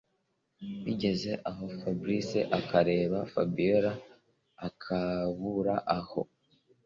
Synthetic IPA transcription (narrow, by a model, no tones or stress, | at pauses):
wiɟe̞ze̞ʔaɦo̞fabɾiseʔakaɾe̞ːβafabijoɾaː | kʰaβuɾaʔaho̞̰